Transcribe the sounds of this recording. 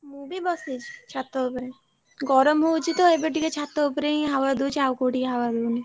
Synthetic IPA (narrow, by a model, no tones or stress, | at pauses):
mubibɔsid͡ʒt͡ʃʰat̪ːoopɾe | ɡɔɾomɦowt͡ʃʰit̪oebeʈiket͡ʃʰat̪ːoopɾeniɦawad̪ut͡ʃʰawkoʈiɦawad̪uni